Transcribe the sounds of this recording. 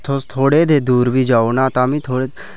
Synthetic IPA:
t̪ʰot̪ʰoːɽeːd̪eːd̪uːɾʋiːd͡ʒaːoːnãːt̪ãːmĩːt̪ʰoːɽeː

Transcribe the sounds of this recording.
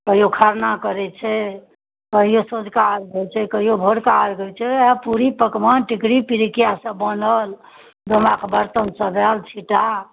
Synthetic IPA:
kəɦijokʰaɾnakəɾɛt͡ʃʰɛ | kəɦijosod͡ʒʱkaɾɡet͡ʃʰɛkəɦijobʱoɽkaɾɡət͡ʃʰɛapuɾipəkmənʈikɾipiɾikijasəbənəl | d̪ʱəmakbəɾt̪ənsəd̪alt͡ʃʰiʈa

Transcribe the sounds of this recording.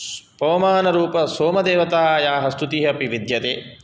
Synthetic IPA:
pɐːmaːnɐɾuːpɐsoːmɐd̪eːʋɐt̪aːjaːɦɐst̪ut̪iɦɐpiʋid̪jɐt̪eː

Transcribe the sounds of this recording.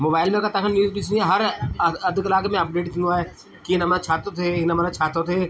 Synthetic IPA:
moːbaːɪlmẽkat̪ɐkʰənjuːzbit͡ʃniaɦɐɾɐd̪ʱklaːkmẽɐp̚ɖeːʈkʰinaːe | kinɐmãt͡ʃʰaːt̪ot̪ʰeɪnɐmnat͡ʃʰaːt̪ot̪ʰeː

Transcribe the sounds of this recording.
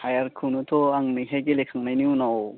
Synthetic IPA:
hajaɾkʰunutʰɔaŋmiɦajkelekʰaŋnajniunaw

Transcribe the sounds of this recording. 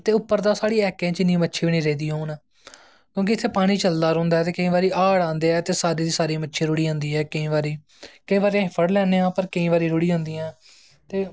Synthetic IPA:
t̪eːʊpːəɾd̪aːsaːɽiːɛːkẽːt͡ʃɪnːĩmətːʃʰeːʋiñiːɾeːd̪iːɦoːnaː | kjõːk̬ɪɪt̪ʰːeːpaːɽ̃iːt͡ʃəld̪aːɾõːnd̪aːɛt̪eːkəĩːʋaːɾiːʔaːɽãːnd̪eːɛːt̪eːsaːɾiːd̪iːsaːɾiːmətːʃʰeːɾʊɽiːãːnd̪iːɛːkəĩːʋaːɾiː | kəĩʋaːɾeãːɦɪpʰəɽlɛːneːãːpəɾkəĩːʋaːɾiːɾʊɽiːãːnd̪iːãː | t̪eː

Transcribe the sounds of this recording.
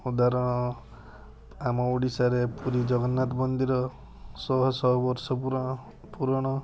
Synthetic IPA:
ud̪aɾɔɽ̃ɔ | amɔuɽisaɾepuɾid͡ʒɔɡɔnːat̪bɔnd̪iɾɔ | sɔɦɔsɔɦɔbɔɾsɔpuɾ | puɾɔɽ̃ɔ

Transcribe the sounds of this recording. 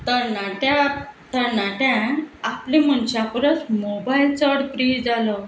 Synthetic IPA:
t̪əɾnaʈãt̪əɾnaʈãaplẽm̤əɳt͡ɕapɾət͡smobajlt͡ɕəɾɽpɾid͡zalɔ

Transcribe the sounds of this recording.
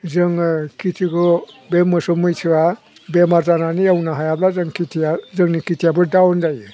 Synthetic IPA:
zɯŋkitʰiɡɔ | bemɯsɔmɯjtʰiwa | bemaɾzananiawnaɦajablazɯŋkitʰijazɯŋnikitʰijabɯɾdawndajɯ

